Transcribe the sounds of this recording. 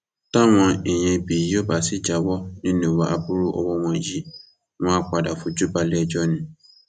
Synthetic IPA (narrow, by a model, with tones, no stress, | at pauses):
ta˦˨w̃ɔ̃˧e˨j̃ɛ̃˧i˧bi˨˦o˦˨ba˦˨si˨˦d͡ʒa˨˦wɔ˦nĩ˦nũ˦˨wa˦a˧bu˦ɾu˦ʔɔ̰˧wɔ˦w̃ɔ̃˧˨ji˦˨ | w̃ɔ̃˦k͡pa˨da˨fũ˧d͡ʒu˦ba˧lɛ˦˨d͡ʒɔ˦nĩ˧